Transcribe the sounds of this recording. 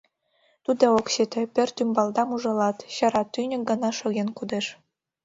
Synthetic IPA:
t̪ud̪ookɕet̪ĕpørt̪ymbɑld̪ɑmuʒɤ̆lɑt̪ɕɑ̆ɾɑt̪ːynʲɘ̆k̚ɡɤ̆nɑʃɤ̆ɣenkud̪eʃ

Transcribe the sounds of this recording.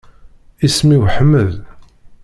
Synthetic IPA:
ismiwħəmːəð

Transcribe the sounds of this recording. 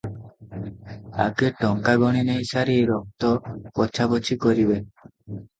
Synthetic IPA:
a̰ɡeʈɔŋkaɡɔɽ̃inejsaɾiejɾɔk̚t̪ɔpɔt͡ɕʰabot͡ɕʰikoɾibe

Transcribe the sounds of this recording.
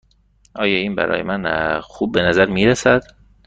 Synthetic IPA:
ʔɒːjɒːiːnbæ̰ɾɒ̰ːjemænxub̚ːenæzæɾmiːɾæsæd̪̥

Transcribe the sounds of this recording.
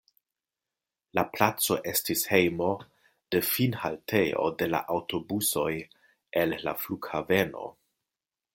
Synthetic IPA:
laplat͡so̞ʔe̞stishejmo̞ | d̥e̞finhaltʰeo̞̰de̞la̰ʔawto̞buso̞j | elːa̰fluɡhave̞no̞̰

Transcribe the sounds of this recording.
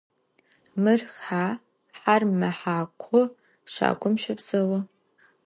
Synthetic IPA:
mɨrxaː | ħarmɐħaːkʷʰɔ | ʃa̰ːɡʷʰʼʊmʃɐbz̥ɐwɐ

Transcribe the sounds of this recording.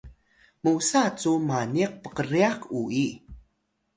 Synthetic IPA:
musat͡sumaniq̚pəqəɾiakui

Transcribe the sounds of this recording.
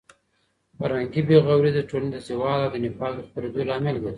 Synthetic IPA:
paɾaŋɡibeɣawɾid̪əʈolaned̪əsewɑlawd̪ənɪpɑld̪əxpaɾed̪olɑmɪlɡ̪e

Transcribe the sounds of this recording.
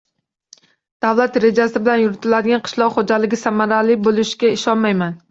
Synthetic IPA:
d̪̥awlˠat̪ɾe̞d͡ʒasɪbɪlanjʊɾɪt̪ʰɪlad̪ɪɡʲanqʰɨ̥ʃlˠɒqχod͡ʒalɪɡʲɪsamaɾalɪbolˠɪʃɡʲaɪʃɒnmajman

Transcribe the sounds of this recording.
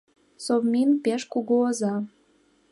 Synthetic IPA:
sovminpeʃkuɣoəzɑ

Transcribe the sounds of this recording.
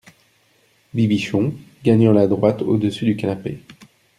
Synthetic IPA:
bibiʃɔ̃ɡaɲɑ̃lad̪ʁwat̪od̪əsyd̪ykanape

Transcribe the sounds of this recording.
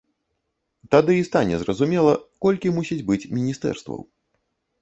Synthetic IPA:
t̪ad̪ɨist̪anʲɛzrɐzumʲɛlˠɐkɔlʲkʲimusʲid͡zʲbɨt͡sʲmʲinʲist̪ɛ̰rst̪vɐ̰w

